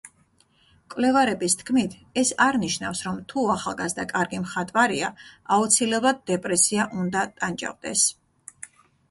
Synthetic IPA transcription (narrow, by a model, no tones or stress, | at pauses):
kʼvlɛvaɾɛbist̪ʰkʰmit̪ʰ | ɛsaɾniʃnafsɾɔmt̪ʰuaχa̰lˠɡazd̪akʼaɾɡimχat̪ʼvaɾiaaut̪sʰilɛblˠad̪̚d̪ɛpʼɾɛsiaʔund̪at̪ʼand͡ʒʼa̰vd̪ɛ̰s